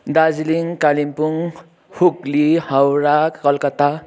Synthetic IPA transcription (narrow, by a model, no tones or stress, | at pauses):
d̪ad͡zliŋkalimpuŋ | huklihʌwɾakʌlkʌt̪a